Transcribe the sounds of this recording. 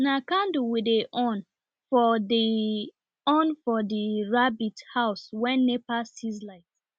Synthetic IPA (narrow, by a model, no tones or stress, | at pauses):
nakãnduwideʔɔ̃n | fɔdi | ɔ̃nfɔdiɹabithaʊswɛ̃nːepastizlaɪt